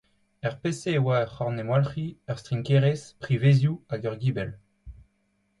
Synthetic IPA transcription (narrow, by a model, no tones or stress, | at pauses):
ɛʁpeseːwaœχɔʁnemwalχiœʁst̪χiŋkeʁespχivezjuaɡœʁɡiːbɛl